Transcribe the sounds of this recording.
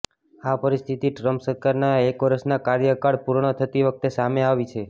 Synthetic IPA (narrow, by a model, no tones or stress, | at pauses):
apəɾist̪ʰit̪iʈɾəmpsəɾkaɾnaekʋəɾəsnakaɾjəkaɽpuɾɳ̃ət̪ʰət̪iʋək̚ʰt̪esameaʋit͡ʃʰe